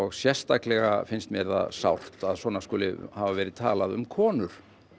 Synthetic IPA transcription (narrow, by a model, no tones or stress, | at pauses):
ɔɣsjɛr̥st̪aklɛɣafɪnst̪mɛɾða̰sawr̥t̪aðswɔːnaskɔːlɪhavavɛːɾɪðt̪ʰa̰ːlaðʏ̰mkʰɔːnʏɾ̥